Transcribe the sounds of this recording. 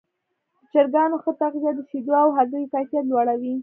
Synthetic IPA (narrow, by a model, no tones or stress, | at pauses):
ət͡ʃaɾɡɑnoxət̪aɣzjad̪əsid̪oawɦazujkajfijat̪̬lwɑɽawi